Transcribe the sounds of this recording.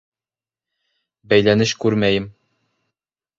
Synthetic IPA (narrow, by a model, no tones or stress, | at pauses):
bæjlænɘɕkʉɾmæjɘm